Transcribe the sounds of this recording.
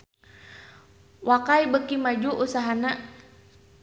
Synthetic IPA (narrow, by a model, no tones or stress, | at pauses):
wʔakajbəkimad͡ʒuʔusaɦana